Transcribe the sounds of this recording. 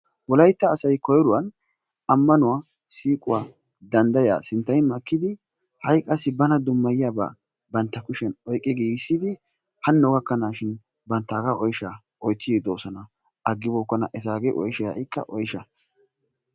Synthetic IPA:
wɔlɐjt̪ːɐːsɐjkɔjɔɾʊwɐn | ɐmːɐnʊwaː | siːkʼʊwaː | d̪ɐnd̪ɐja̰ːsɪnt̪ːɐjmɐkːɪd̪ɪ | hɐjkʼɐsːɪbɐnɐd̪ʊmːɐjɪjaːba̰ː | bɐnt̪ːɐkʊʃɛnɔjkʼːɛɡeːɪsːɪd̪ɪ | hɐnːɔɡɐkːɐnaːʃɪn | bɐnt̪ːaːɡaʔɔjʃa | ɔjt͡sːɪid̪oːsɔnɐ | ʔɐɡːɪbɔkːɔnɐ̰ʔɛzaːɡeʔɔjʃɛjɐ̰ʔɪkːɐ̰ʔɔjɪʃɐ

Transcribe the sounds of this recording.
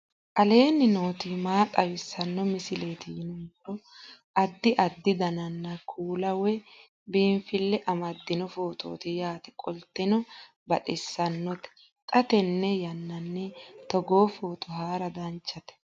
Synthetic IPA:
ʔɐle̞ːnːɪno̞ːt̪imaːt̪ʼɐwɪsːɐnːɔmɪsɪleːt̪ɪnʊntːɔ | ʔɐd̪ːɪʔɐd̪ːɪd̪ɐnɐnːɐkʰuːlɐwɛ | biːmfɪlːɛʔɐmɐd̪ːɪnɔfoːt̪ʰo̰ːt̪ɪjaːt̪ɛ̥kʼɔlt̪ːɪnɔ | bɐt̪ʼɪsːɐnːɔt̪ɛ̥ | k̪ʼɐt̪ɛnːɛjɐnːɐnːɛt̪ɔɡoːfo̞ːt̪ɔɦaːɾɐd̪ɐnt͡ʃːɐt̪ɛ̥

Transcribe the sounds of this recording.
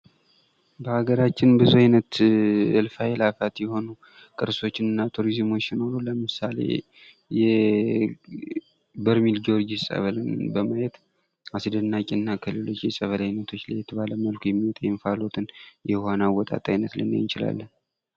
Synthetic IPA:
bəhaɡəɾat͡ʃːɪnbɨzuajnət̪ɨlfajɛlafat̪jɛho̞nu | kʼɨɾso̞t͡ʃːɪnɨnːat̪ʰuɾizmo̞t͡ʃːjɪno̞ɾuləmɨsale̞̰ | jɛ | bəɾmild͡ʒo̞ɾd͡ʒisʼə̰βəlɨnbəmajɛt̪ | asɨd̪ənːakʼɪɨnːakʰɨlɨlo̞t͡ʃːjɛsʼəβəlajnːət̪ʰo̞t͡ʃːlajːɛt̪ʰəβaləməlkʰojɛmːiwɔt̪ʼəjːmfalo̞t̪ʰɨnjɛhanawːɔt̪ʼa̰t̪ʼajnət̪lɨ̰n̰ːjɪnt͡ʃɪla̰lːən

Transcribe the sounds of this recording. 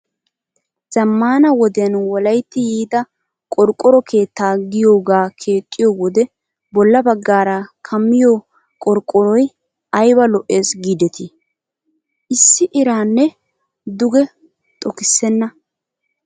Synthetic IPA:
z̥ɐmːaːnɐwɔd̪ɛjɐnwɔlɐjt̪ːɪjiːd̪ɐ | kʼɔɾkʼːɔɾɔkʰe̞ːt̪ːaːɡɪjo̞ːɡaːkʰeːkʼːɪjowɔd̪ɛ | bɔlːɐbɐɡːaːɾɐkʰɐmːɪjo | kʼɔɾkʼːɔɾɔj | ɐjbɐlɔʔe̞ːsɡiːd̪ɛt̪ɪ | ʔɪsːɪʔɪɾaːnːɛ | d̪ʊɡɛ | t̪ʼɔkɪsːɛnːɐ

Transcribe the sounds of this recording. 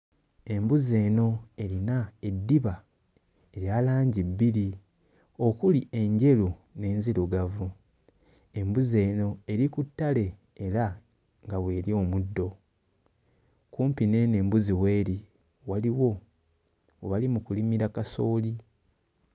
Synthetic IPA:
e̞mbuze̞ːno̞e̞ɾinae̞dːiβa | e̞ɾjaːlaːɲɟibːiɾi | o̞kulie̞ɲɟe̞lune̞ːnziɾuɡavu | e̞mbuze̞ːno̞e̞ɾikutːale̞ː | ɾa | ŋɡaβwe̞ːɾio̞ːmudːo̞ | kuːmpine̞ne̞ːmbuziwe̞ːɾi | waliwo̞ː | βalimukulimiɾakaso̞ːli

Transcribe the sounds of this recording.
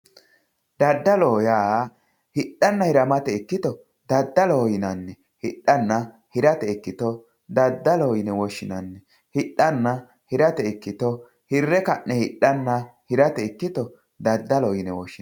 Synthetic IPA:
d̪ɐd̪ːɐloːjaː | hɪɗːɐnːɐhɪɾɐmɐt̪ɛɛkːɪt̪ɔ | d̪ɐd̪ːɐloːjɪnɐnːɛ | hɪɗːɐnːɐ | hɪɾɐt̪ɛɛkːɪt̪ɔ | d̪ɐd̪ːɐloːjɪnɛwɔʃːɪnɐnːɛ | hɪɗːɐnːɐ | hɪɾɐt̪ɛɛkːɪt̪ɔ | hɪrːɛkɐʔɛhɪɗːɐnːɐhɪɾɐt̪ɛɛkːɪt̪ɔ | d̪ɐd̪ːɐlɔːjɪnɛwɔʃːɪ

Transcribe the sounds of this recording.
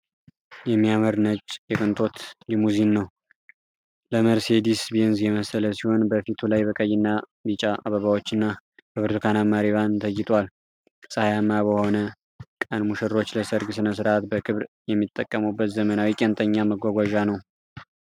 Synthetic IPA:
jɛmːijaməɾnət͡ʃʼjɛkʼɨnt̪ʼo̞t̪jɛmuzinːəw | ləməɾsed̪isbienzjɛməsələsiho̞nbəfit̪ʰulajbəkʼəjːɪnːa | bit͡ʃʼaʔa̰βəβawot͡ʃːɨnːa | bəβɨɾt̪ʰukʰanamaɾiβant̪ʰəjːɪt̪ʼwal | sʼəhajamːabəho̞nə | kʼənmuʃɨɾo̞t͡ʃːləsəɾɡsɨnəsɨɾʔat̪bəkʰɨβɾjɛmːit̪ʼːəkʼːəməwbːət̪zəmənawikʼɛnt̪ʰəɲːaməɡʷaɡʷaʒanəw

